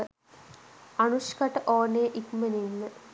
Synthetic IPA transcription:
ɐɳuʂkɐʈːʔoːneːʔikmɐninɨ

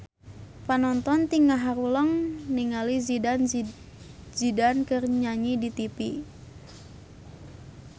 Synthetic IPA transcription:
panɔnt̪ɔnt̪iŋaɦaɾuləŋniŋalizin | zidankɨrɲaɲidit̪ipi

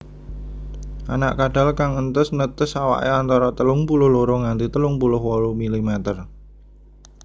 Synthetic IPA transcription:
ʔa̰naʔkaɖ̥a̤lkaŋənt̪əsnət̪əsawa̰ʔeant̪aɾɔt̪əlʊŋpulʊhloɾoŋant̪it̪əlʊŋpulʊhwɔlumilimɛt̪ər

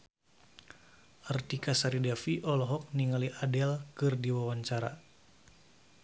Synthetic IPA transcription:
ʔərt̪ikasaɾidɛfiʔɔlɔɦɔk̚niŋaliʔadɛlkɨrdiwawaɲt͡ʃaɾa̰

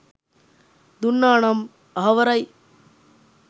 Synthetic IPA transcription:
d̪unːaːɳɐm | ɐɦɐʋɐɾɐj

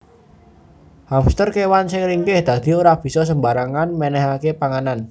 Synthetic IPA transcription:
hamst̪ərkewansɪŋɾiŋɡɪhd̪̥ä̤d̪̥i̤oɾahb̥i̤sɔs̬əmbaɾaŋanmɛnɛɦakepaŋanan

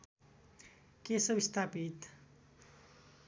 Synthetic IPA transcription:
kesʌbist̪ʰapit̪

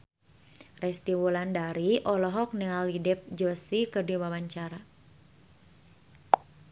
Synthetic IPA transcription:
rɛst̪iwulandaɾiʔɔlɔɦɔk̚niŋalidɛp̚d͡ʒəsikərdiwawaɲt͡ʃaɾa

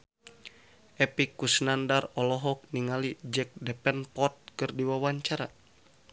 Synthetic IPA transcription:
ʔɛpikːusnandarɔlɔɦɔk̚niŋalid͡ʒɛk̚dɛpɛnpɔt̪̚kɨrdiwawaɲt͡ʃaɾa

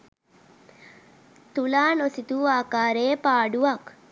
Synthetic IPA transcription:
t̪ulaːnosit̪uaːkaːɾeːpaːɖuʋɐk

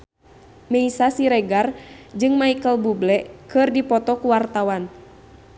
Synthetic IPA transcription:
mɛisasiɾɛɡard͡ʒɨŋmaikəlbublɛʔkɨrdipɔt̪ɔkuwart̪awan

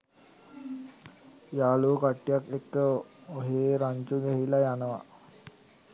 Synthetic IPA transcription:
jaːluːkaʈːijakekːəoɦeːɾaɲt͡ʃuɡɛɦilajanəʋa̰

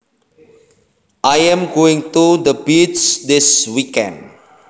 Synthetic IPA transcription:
ʔajɛ̃mɡoɪ̃ŋt̪ud̪əbidsdɪswikɛ̰̃nd

